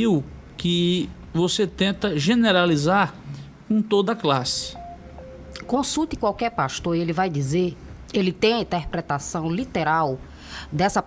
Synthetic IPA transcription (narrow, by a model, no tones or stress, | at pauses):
iw | kɪ | voset̪ẽnt̪ɐʒeneɾalizaɾ | kõt̪od̪ɐklasɪ̥ | kõsut̪ɪ̥kwawkɛɾpaʃt̪oɾelɪvajd̪izeɾ | elɪt̪ẽj̃ɐĩt̪ɛɾpɾɛt̪asɐ̃w̃lit̪ɛɾaw | d̪ɛsɐ